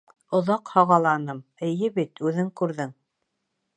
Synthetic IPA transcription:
ŏðɑqhɑʁɑlˠɑnɤmɘ̆jɘbit̪ʉðɘŋkʉɾðɘŋ

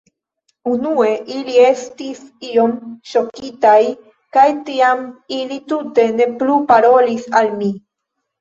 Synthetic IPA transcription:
unue̞ʔilie̞stisio̞mʃo̞kitaj | kajtiamilitute̞ne̞plupaɾo̞lisalmi

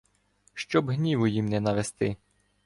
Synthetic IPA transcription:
ʃt͡ʃɔbɦnʲiʋʊjimnɛnɐʋest̪ɪ

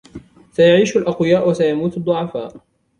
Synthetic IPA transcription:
sajaʕiːʃalʔɑqwɪjaːʔwasajamuːt̪ɑd̪ˤːʊʕɑfaːʔ

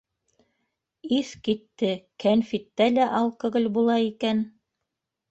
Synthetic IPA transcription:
iθkit̪ːɘkænfit̪ːælæʔɑlˠkɵ̆ɣɘlbulˠɑikæn

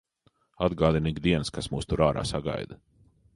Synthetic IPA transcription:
ad̪ɡaːd̪iniɡd̪iɛnskasmuːst̪uɾaːɾa̰ːsaɡa̰jd̪a

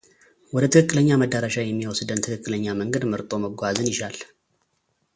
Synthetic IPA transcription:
wɔd̪ət̪ʰɨkɨkʼːɨləɲːaməd̪ːəɾaʃajɛmːiwɔsd̪ənt̪ʰɨkʰɨkʼːɨləɲːaməŋɡəd̪məɾt̪ʼo̞məɡʷazɨnjɪʃal

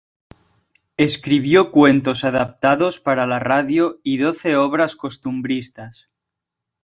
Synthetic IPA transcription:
e̞skɾiβ̞jokwe̞nt̪o̞saðap̚t̪aðo̞spaɾalaraðjoiðo̞θe̞oβ̞ɾasko̞st̪umbɾist̪as

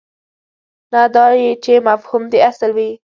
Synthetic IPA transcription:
nad̪ɑjit͡ʃemafhumd̪easlwi

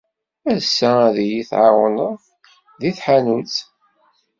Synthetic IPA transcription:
æðsːææðjiθʕɑwən | ðiθħanut͡s

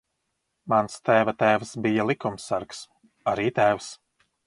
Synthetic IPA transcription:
manst̪æːvat̪æːvsbijalˠikumsaɾks | aɾiːt̪æːvs

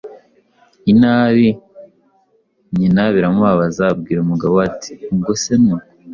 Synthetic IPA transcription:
inaːβi | ɲinaβiɾamuaβazab̚ɡiːɾumuɡaβoati̥ɡosenu

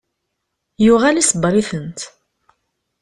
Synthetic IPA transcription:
jʊʁælisəbɾˤiθənt̪

